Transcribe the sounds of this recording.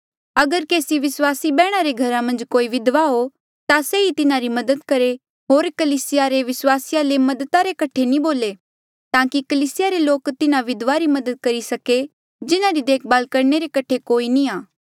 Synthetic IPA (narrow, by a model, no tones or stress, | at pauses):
ɐɡəɾkeːsiʋɪswaːsibɛːɽ̃aɾeɡʱɐɾãmɐ̃nd͡ʒkoːiʋɪd̪ʋaɦo | t̪aseit̪ɪnaɾimɐd̪əd̪kɐɾe | ɦoːɾkɐliːsɪjaɾeʋɪswaːsɪjalemɐd̪ət̪aɾekɐʈʰenĩboːle | t̪ãːkikɐliːsɪjaɾeloːkt̪ɪnãʋɪd̪ʋaɾimɐd̪əd̪̚kɐɾisɐke | d͡ʒɪnaɾid̪eːk̚ʰbaːlkɐɾneɾekɐʈʰekoːiniaː